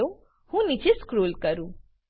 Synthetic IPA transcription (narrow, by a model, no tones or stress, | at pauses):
o | hũnit͡ʃeskɾoːlkəɾũː